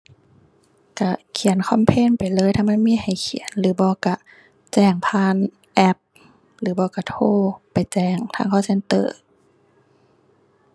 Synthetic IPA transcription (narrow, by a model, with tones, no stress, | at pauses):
ka˧˩kʰi˨˩˦nkʰɔ˧˥˨mpʰeː˧˥˨npa˨˩jlɤː˧˥˨jt̪ʰa˧˥˨ma˧˥˨nmiː˧˥˨ha˨˩jkʰi˨ə˦nlɯː˨˦bɔː˧˦ka˧˩ | t͡ɕɛː˧˩ŋpʰaː˧˥˨n | ʔɛ˧˥p̚ | lɯː˨˦bɔː˧ka˧˩t̪ʰoː˧˥˨pa˨jt͡ɕɛː˧˩ŋt̪ʰaː˧˥˨ŋkʰɔː˧˥˨se˧˥˨nt̪ɤː˧˩